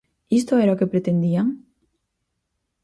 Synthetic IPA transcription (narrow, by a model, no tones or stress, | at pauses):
ist̪oeɾaokepɾet̪end̪iaŋ